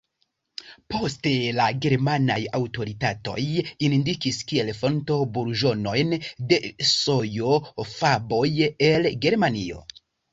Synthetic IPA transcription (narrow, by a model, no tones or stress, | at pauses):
po̞ste̞laɡe̞ɾmana̰jawto̞ɾitato̞̰jindikiskie̞lfo̞nto̞buɾʒo̞no̞jnde̞sojo̞fabo̞je̞lɡe̞ɾmanio̞̰